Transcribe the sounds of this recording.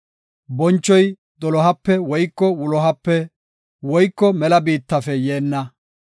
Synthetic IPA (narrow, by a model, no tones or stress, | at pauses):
bɔnt͡ʃːɔj | d̪ɔlɔɦɐpːɛwɔjkːɔwʊlɔɦɐpːɛ | wɔjkːɔmɛlɐbiːt̪ːɐfɛjeːnːɐ